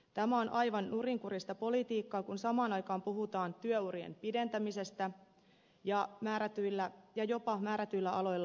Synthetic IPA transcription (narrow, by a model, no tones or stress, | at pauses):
t̪æmæo̞nʔɑjʋɑnːuriŋkuɾist̪ɑpo̞lit̪iːkːɑːkunsɑmɑːnɑjkɑːmpuɦut̪ɑːnt̪yøuɾiḛmpide̞nt̪æmise̞st̪æ | jɑmæːɾæt̪yjlːæjɑjo̞pɑmæːɾæt̪yjlːæɑlo̞jlːɑ